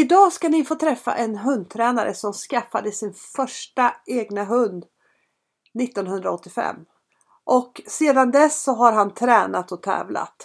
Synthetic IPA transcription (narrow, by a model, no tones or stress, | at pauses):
ɪd̪ɑːskanɪfoːt̪ʰɾɛfːa̰ʔɛnɦɵnd̪̚t̪ʰɾɛːnaɾʔə̰sɔmskafːad̪əsɪnfœʂʈaeːɡnaɦɵnd̪ | nɪt̪ːɔnɦɵnd̪ɾaɔt̪ːɪfɛ̰mː | ʔɔkseːd̪and̪ɛsːɔɦaɾɦant̪ʰɾɛːnat̪ɔt̪ʰɛ̰ːvla̰t̪